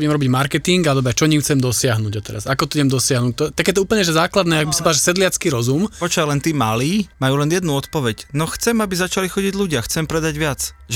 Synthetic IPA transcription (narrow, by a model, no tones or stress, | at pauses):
jɛmɾɔbiɟmaɾkɛt̪iŋɡald̪ɔbɾɛt͡ʃɔɲimt͡sɛmd̪ɔsɪaɦnuːɟɔt̪ɛɾasakɔt̪ɔuɲɛmd̪ɔsɪaɦnuːc̚t̪ɔt̪aɡjɛt̪ɔuːpl̩ɲɛʒɛzaːklad̪nɛːakɡbisapaʒɛsɛd̪lɪat͡skiɾɔzumpɔt͡ʃalɛnt̪iːmaliːmajuːlɛnjɛd̪nuɔt̪pɔʋɛcnɔxt͡sɛmabizat͡ʃalixɔɟiɟluɟɪaxt͡sɛmpɾɛd̪aɟʋɪat͡sʒ